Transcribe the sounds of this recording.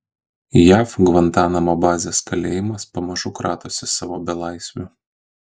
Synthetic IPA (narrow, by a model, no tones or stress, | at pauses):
jæːfɡʋɐnt̪ɑːnɐmoːbɑːzʲeːskɐlʲeːjɪmɐspɐmɐʒʊkɾɑ̰ːt̪oːsʲɪsɑːʋoːbʲɛlˠɑˑɪsʲʋʲʊ